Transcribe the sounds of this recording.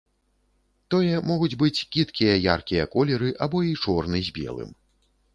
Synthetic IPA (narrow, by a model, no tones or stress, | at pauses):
t̪ɔjɛmɔɣud͡zʲbɨt͡sʲkʲit̪kʲijɐja̰rkʲijɐkɔlʲɛɾɨʔabɔit͡ʂɔrnɨzʲbʲɛ̰lˠɨ̰m